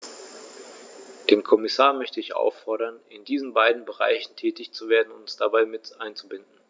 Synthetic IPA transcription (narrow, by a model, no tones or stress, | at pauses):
d̥eːmkʰɔmɪsaːɐmœçtəɪçʔa̰ʊfːɔɐɾɐnɪndiːzn̩baɪdn̩bəʁa̰ɪçn̩tʰɛːtɪçt͡suveːɐdn̩ʊntd̥abaɪmɪtʔaɪnt͡subɪndn̩